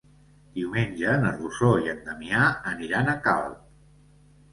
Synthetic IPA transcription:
d̪̥iwmenʲʒəːnəzβusoiənd̪əmiaəniɾanəka̰lˠ

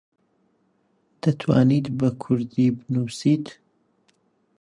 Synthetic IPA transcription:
d̪̥ɐt̪ʰwa̰ːniːt̪bɐkʰʊɾd̪ibɨnuːsiːt̪

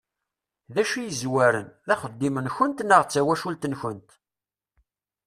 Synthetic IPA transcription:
ðæʃijəzwæɾənðæχəd̪ːimənçənt̪nəʁt͡sːæwæʃult̪nçənt̪

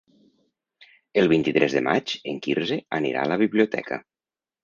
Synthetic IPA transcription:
əlˠβint̪it̪ɾʔɛzðəmad͡ʒeŋkiɾzeənḭɾa̰ləβ̞iβliut̪ɛ̰kʰə̰

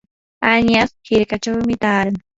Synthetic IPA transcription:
aɲjashɪɾkat͡ʃawmɪt̪aːɾaŋ

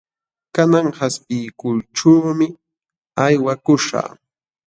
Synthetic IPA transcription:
kanaŋhaspɪjkʊlʈ͡ʂuːmɪ | ajwakʊʃa̰ː

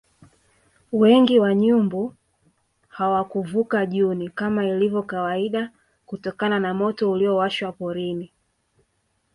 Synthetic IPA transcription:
wɛŋɡiwaɲumbu | hawakuvukaʄunikamailivjɔkawaiɗa | kutɔkananamɔtɔuliɔwaʃwapɔɾini

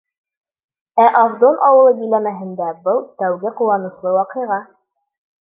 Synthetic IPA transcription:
æʔɑvd̪onʔɑwɤ̆lˠɤbĭlæmæɦɘ̆nd̪æbɤlˠt̪æwɡɘqulˠɑnɤ̆slˠɤwɑqɤ̆jʁɑ

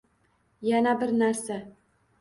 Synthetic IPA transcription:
janæbɪɾnæɾsa

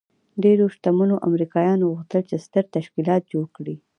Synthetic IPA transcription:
ɖeɾoʃt̪amunoʔa̰mɾikɑjɑnɣuxt̪əlt͡ʃest̪əɾt̪aʃkilɑt̪̚d͡ʒoɽkɽi

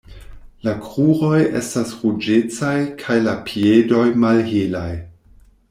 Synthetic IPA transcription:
lakʁuɾo̞je̞̰stasʁud͡ʒet͡sajkʰajlapʰiedo̞jmalɦilaj

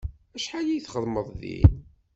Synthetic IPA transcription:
æʃħalijθχəðˤməðˤðḭ

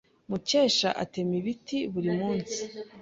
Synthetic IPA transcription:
muce̞ːʃa̰ʔate̞miβitiβuɾimuːnsi̥

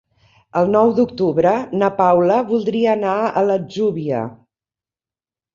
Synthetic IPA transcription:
əlˠnɔwd̪uk̚t̪uβɾənəpawləβulˠd̪ɾiəːnaələd͡ʒuβiə̰

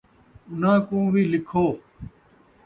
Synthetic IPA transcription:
ʊnãːkõːʋiːlɪkʰoː

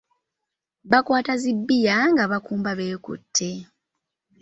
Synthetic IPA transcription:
βakwaːtazibːijaŋɡaβakuːmbaβe̞ːkṵtʰːe̞

